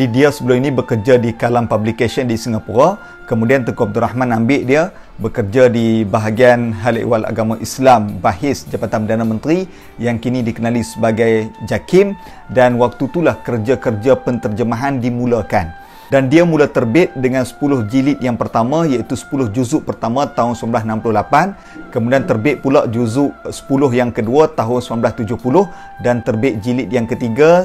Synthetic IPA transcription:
didiasəbəlʊminĩbəkərd͡ʒadikalampablikasəndisiŋapuɾa | kəmũdiant̪əkuab̚d̪urahmãnambɪʔdiə | bəkərd͡ʒadibaɦaɡianɦala̰ʔḭwala̰ɡamãʔislambaɦɪsd͡ʒabat̪anpədanamə̃nt̪ɾi | jaŋkinĩdikənalisəbaɡajd͡ʒakɪm | danwak̚t̪ut̪ulahkərd͡ʒakərd͡ʒapənt̪ərd͡ʒəmaɦandimũlakan | dandiamulat̪ərbɪt̪̚dəŋansə̥pulʊhd͡ʒilɪt̪̚jaŋpərt̪amãjait̪usə̥pulʊhd͡ʒuzʊʔpərt̪amãt̪aɦʊnsəmamblasənãmpəlʊhlapan | kəmudiant̪ərbɪʔ̪̚pulaʔd͡ʒuzʊʔsə̥pulʊɦjaŋkəduat̪aɦʊnsəmanblast̪ud͡ʒʊhpulʊh | dant̪ərbɪʔ̪̚d͡ʒilɪt̪̚jaŋkət̪iɡa

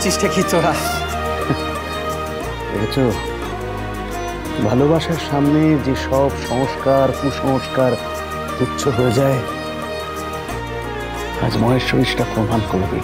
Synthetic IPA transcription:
t͡ʃiʃʈʰekʰioaʃ | ḛket͡ɕʰo | bʱalobaʃaɾʃamned͡ʑeʃɔbʃɔŋoʃkaɾkuʃɔŋoʃkaɾ | kitːʃʰoɦoed͡ʑae | a̰d͡ʑmɔeʃoiʃʈapɾomʱankoɾbḛ

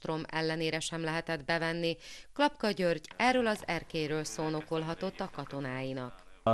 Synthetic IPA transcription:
t̪ro̞mɛ̰lːɛneːɾɛʃɛmlɛɦɛt̪ɛd̪bɛvɛnːiklɒpkɒɟørɟɛrːøːlɒzɛrkeːjɾøːlsoːno̞ko̞lɦɒt̪o̞t̪ːɒkɒt̪o̞naːjinɒk

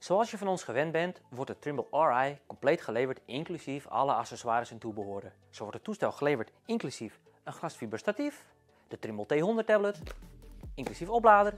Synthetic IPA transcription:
soɑlˠsjəfɔnɔnsχəʋɛnbɛntʋɔɹtətrimbəlˠɔɹɛjkɔmplejtχəlejvətɪŋklysifɑ̰ləasəswaːɾəsəntubəɦoədə | soʋɔtətːustɛlˠxəlevəɹtɪŋklysif | ənxlasfibəɹstatif | d̥ətrimbəlˠteːɦondətɛblət | ɪŋklysifoplaːdər

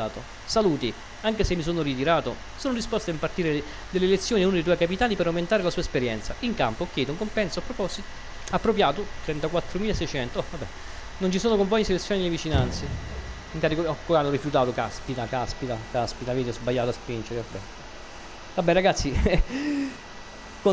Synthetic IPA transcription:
aːt̪o | saluːt̪i | aŋkesemːisoːnorit̪̬iɾaːt̪o | soːnod̪ispɔst̪aimpart̪iːɾe | d̪elːelet̪sːjoːninund̪ejt̪uːjkapit̪aːnipeɾawment̪aːɾelasuːaespeɾjɛ̰nt̪saiŋka̰mpoɔkːjɛːd̪ouŋkompɛnsoapːɾopɔs | apːɾopjaːt̪ot̪ɾɛnt̪akwat̪ːɾomiːlaesɛjt͡ʃɛnt̪oɔvabːɛ | nont͡ʃisoːnokompɔɲːiselet̪sjonilːevit͡ʃinant̪se | ŋkaɾikoɔkːoanːorifjut̪aːt̪okaspit̪akaspit̪akaspit̪aveːt̪eɔzbajːaːt̪oaspind͡ʒeɾevabːɛ̰ | vabːɛɾaɡat̪sːi | ko

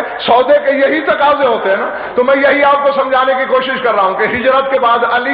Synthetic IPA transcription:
sɔːd̪ekejɐɦit̪ɐkaːzeɦoːt̪eɦɛ̃naː | t̪omɛ̃ːjɐɦiaːp̚kosɐ̃md͡ʒʱaːnekikoːʃɪʃkɐɾːaaũkeɦɪd͡ʒɾət̪kebaːd̪ɐli

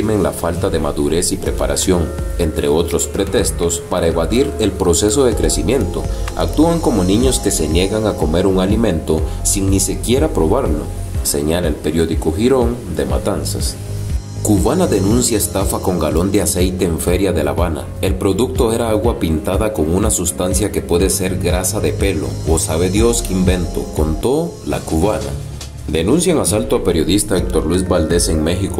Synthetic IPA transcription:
me̞ŋla̰falt̪aðe̞maðuɾe̞sipɾe̞paɾa̰sjo̞ŋent̪ɾe̞ot̪ɾo̞spɾe̞t̪e̞st̪o̞spaɾaeβaðiɾe̞lpɾo̞se̞so̞ðe̞kɾe̞simjẽ̞nt̪o̞̰a̰k̚t̪uaŋko̞mo̞nĩɲo̞ske̞se̞nje̞ɣaŋako̞me̞ɾuŋalimẽ̞nt̪o̞siŋnise̞kje̞ɾapɾo̞βaɾlo̞̰ | se̞̰ɲalaelpe̞ɾjo̞ðikoxiɾo̞n | d̪e̞ma̰t̪ansas | kuβanaðe̞nũnsjaest̪afako̞ŋɡalo̞nd̪ease̞jt̪e̞ːɱfe̞ɾjaðe̞laβana̰ | e̞lpɾo̞ðuk̚t̪o̞e̞ɾaaɣwapint̪aðako̞ŋunasust̪ansjake̞pwe̞ðe̞se̞ɾɡɾasaðe̞pe̞lo̞̰osaβe̞ðjo̞skeimbe̞nt̪o̞̰kont̪o̞ | la̰kuβana̰ | d̪e̞nũnsjaŋasalt̪oape̞ɾjo̞ðist̪aek̚t̪oɾlwizbald̪e̞se̞ŋme̞xiko

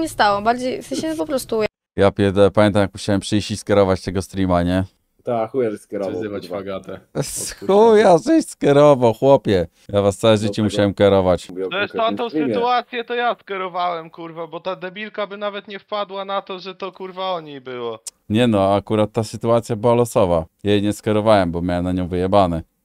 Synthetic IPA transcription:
ɲɛst̪awɔbaɾd͡ʑej̪ɛɕɛpɔpɾɔst̪u | japʲjɛd̪ɛpamjɛnt̪amjakmuɕawɛmpʂɘjɕiskʲɛɾɔvat͡ɕt̪ɛɡɔst̪ɾʲimaɲɛ | t̪axujaʐɛskʲɛɾɔvzɪvaaɡat̪ɛsxujaʐɛɕskʲɛɾɔvawxwɔpʲjɛ | javast̪sawɛʐɘt͡ɕɛmuɕawɛmkʲɛɾɔvat͡ɕt̪ɔɛst̪ant̪ɔ̃w̪̃ɨt̪uat̪sʲjɛt̪ɔjaskʲɛɾɔvawɛmkuɾvabɔt̪ad̪ɛbʲilkabɘnavɛt̪ɲɛfpad̪wanat̪ɔʐɛt̪ɔkuɾvaɔɲejbɘwɔ | ɲɛnɔakuɾat̪ːasɘt̪uat̪sʲjabɘwalɔsɔvajajɛɲɛskʲɛɾɔvawɛmbɔmjawɛmnaɲɔ̃w̃vɘjɛbanɛ

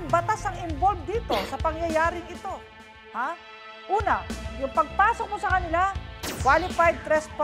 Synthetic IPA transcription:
ŋbɐt̪asɐŋɪmbolvd̪iːt̪o̞sɐpɐŋjɐjaːɾɪŋɪt̪o̞ | ha | ʔuːnɐ̰jʊŋpɐɡ̚paːsok̚mosɐkɐnɪlakwaːlɪpajd̪̚t̪ɾɛskpa

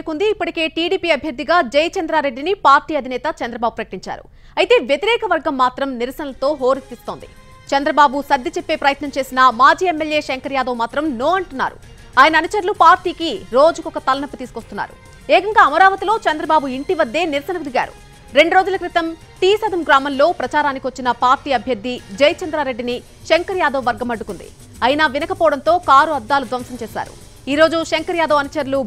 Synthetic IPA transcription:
ɾkund̪iːpːɐʈike̞ːʈiːɽiːpiːɐbʱjɐɾd̪ʱːiɡaːd͡ʒɐjt͡ʃɐnd̪ɾaːɾe̞ɖːinipaːɾʈiːɐd̪ʱinɛːt̪ɐt͡ʃɐnd̪ɾɐbaːbupɾɐkɐʈiɲt͡ʃa̰ːɾṵ | ɐjit̪e̞ːʋjet̪iɾɛːkɐʋɐɾɡɐmːaːt̪ɾɐmniɾsɐnɐlɐt̪o̞ːɦoːɾit̪ist̪o̞ːnd̪ḭ | t͡ʃɐnd̪ɾɐbaːbusɐd̪ːit͡ʃepːe̞ːpɾɐjɐt̪nɐmt͡ʃe̞ːsinɐmaːd͡ʒiːemːeljeːʃɐŋkɐɾjaːd̪oːmaːt̪ɾɐmnoːɐɳʈunːa̰ːɾṵ | aːjɐnɐːnut͡ʃɐɾlupaːɾʈiːkiɾo̞ːd͡ʒukɔkɐt̪ɐlɐnɐpːut̪iːsukost̪unːa̰ːɾṵ | eːkɐŋɡaːɐmɐɾaːʋɐt̪ilo̞ːt͡ʃɐnd̪ɾɐbaːbuiɳʈiʋɐd̪ːe̞ːniɾsɐnɐkud̪iɡa̰ːɾṵ | ɾe̞ɳɖuɾo̞ːd͡ʒulɐkɾit̪ɐm | ʈ̪iːsɐd̪ʱɐmɡɾaːmɐnlo̞ːpɾɐt͡ʃaːɾaːnikiʋɐt͡ʃːinɐpaːɾʈiːɐbʱjɐɾd̪ʱːid͡ʒɐjt͡ʃɐnd̪ɾaːɾe̞ɖːini | ʃeŋkɐɾjaːd̪ɐːʋɐɾɡɐmɐɖːukund̪ḭ | ɐjnɐʋinɐkɐpɔːɽɐnt̪o̞ːkaːɾuɐd̪ːaːlud̪ʋɐmsɐmt͡ʃeːsa̰ːɾṵ | iːɾo̞ːd͡ʒuʃeŋkɐɾjaːd̪ɐːɐnut͡ʃɐɾlu

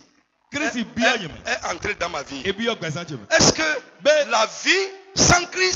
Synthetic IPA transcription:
kɾisibiɔɲẽmɛ̰̃ɛʔãnt̪ɾedãmaviebiɔɡ͡bas̬ãt͡ʃemɛ̰̃ɛskebelavisãkɾi

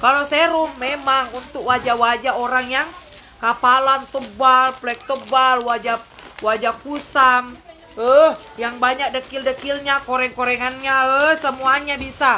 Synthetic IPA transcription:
kalosɛɾumːemaŋunt̪ʊk̚wad͡ʒawad͡ʒaoɾaŋjaŋ | kapalant̪əbalplɛk̚t̪əbalwad͡ʒawad͡ʒapusaŋ | əh | jaŋbaɲak̚dəkildəkilɲakoɾɛŋkoɾɛŋanɲaəhsəmuaɲabisa

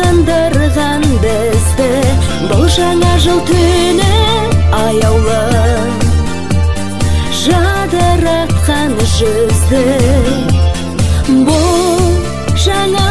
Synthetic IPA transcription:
ənd̪əɾʁɑnbɪ | zd̪ɪ | bʊlˠʒɑɴɑʒəlˠt̪ʰɵnɪɑjɑwlˠə | ʒɑd̪əɾɑt̪qɑnʒʏzd̪ɪ | bʊll | ʒɑɴɑ

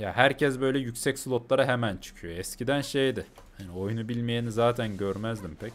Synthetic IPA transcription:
jaɦæɾcʰɛsbø̞jlʲɛjycʲsɛcsulˠot̪lˠaɾaɦemænt͡ʃʰɯ̥cʰyjoɛscid̪ænʃejd̪ɪ | hanio̞junubilʲmijenizaːt̪ʰænɟøɾmæzd̪impʰɛc

